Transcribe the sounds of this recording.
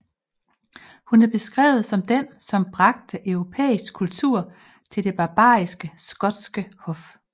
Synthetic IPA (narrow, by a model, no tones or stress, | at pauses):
hunæɐb̥e̝sɡ̥ʁɛ̰ːʊð̞̩ˠsɒ̽md̥ensɒ̽mb̥ʁɑ̈ɡ̥̚d̥əʔœʊʁo̝pʰḛːisɡ̥̚kʰult͡sʰṵɐ̰ | t͡sʰe̝ld̥e̝b̥ɑ̈b̥ɑ̰̈ːisɡ̥əsɡ̥ɒ̽d̥sɡ̥əhɔ̽f